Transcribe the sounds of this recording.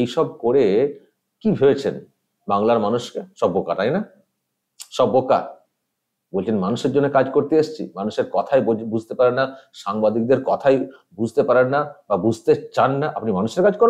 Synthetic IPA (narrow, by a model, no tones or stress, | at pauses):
ejʃɔb̚koɾe | kibʱebet͡ɕʰen | baŋlaɾmanuʃkeʃɔbːokat̪ajna | ʃɔbːoka̰ | bolt͡ɕʰenmanuʃeɾd͡ʑonːekad͡ʑkoɾt̪eeʃt͡ɕʰḭmanuʃeɾkɔt̪ʰajbud͡ʑʱt̪epaɾenːaʃaŋbad̪ik̚d̪eɾkɔt̪ʰaj | bud͡ʑʱt̪epaɾenːababud͡ʑʱt̪et͡ɕanːaʔapnimanuʃeɾkad͡ʑkɔɾ